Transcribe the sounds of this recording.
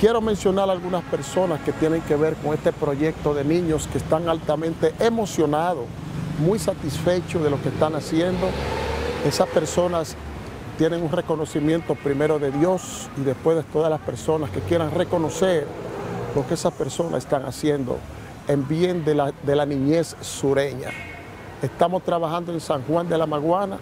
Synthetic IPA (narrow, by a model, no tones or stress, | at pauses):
kje̞ɾo̞mẽ̞nsjo̞naɾalɣunaspe̞ɾso̞naske̞t̪je̞ne̞ŋke̞βe̞ɾko̞ŋe̞st̪e̞pɾo̞ʝe̞k̚t̪o̞ðe̞nĩɲo̞skest̪aŋalt̪amẽnt̪e̞ʔemo̞sjo̞nað̞o | mujsat̪isfe̞t͡ʃoðe̞lo̞kest̪anasje̞nd̪o̞ | e̞saspe̞ɾso̞nas | t̪je̞ne̞ŋunre̞ko̞no̞simjẽ̞nt̪o̞pɾime̞ɾo̞ðe̞ðjo̞s | iðe̞spwe̞zðet̪o̞ðalaspe̞ɾso̞naske̞kje̞ɾaŋre̞ko̞no̞se̞ɾlo̞keesaspe̞ɾso̞na̰sest̪aŋa̰sje̞nd̪o̞̰ | embjend̪ead̪e̞lanĩɲe̞sːuɾe̞ɲa̰ | est̪amo̞st̪ɾaβaxand̪oe̞nsaŋxwand̪e̞lamaɣwana̰